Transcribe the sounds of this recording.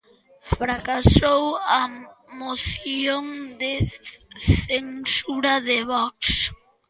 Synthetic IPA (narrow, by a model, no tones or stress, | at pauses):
fɾakasowamoθjjoŋd̪e | θensuɾaðeβɔks